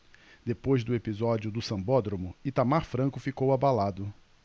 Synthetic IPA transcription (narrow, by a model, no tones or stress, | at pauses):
d̪̥epojzd̪ʊepizɔd͡ʒiʊd̪ʊsɐ̃mbɔd̪ɾomʊɪt̪amaɾfɾɐ̃kʊfikowabalad̪ʊ